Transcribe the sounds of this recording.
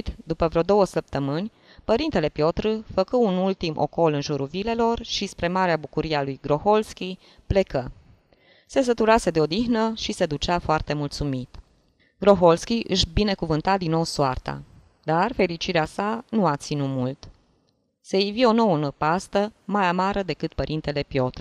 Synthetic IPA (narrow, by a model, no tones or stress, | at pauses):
t̪d̪upəvɾeo̞d̪o̞wəsəp̚t̪əmɨnʲ | pəɾint̪e̞le̞pjo̞t̪ɾɨfəkuunult̪imʔo̞̰ko̞lɨnʒuɾulvile̞lo̞rʃispɾe̞maɾeabukuɾialujɡɾo̞xo̞lskʲi | ple̞kə | se̞s̬ət̪uɾase̞d̪eo̞d̪ixnəʃise̞d̪ut͡ʃafoart̪e̞mult̪sumit̪ | ɡ̥ɾo̞ɦo̞lskʲiʔɨʃbine̞kuvɨnt̪ad̪inːo̞wsoart̪a̰ | d̪arfe̞ɾit͡ʃiɾeasanuat̪sinumult̪ | seevio̞no̞wənəpast̪əmajamaɾʔəd̪e̞kɨt̪̚pəɾʔint̪e̞le̞pjo̞t̪ɾɨ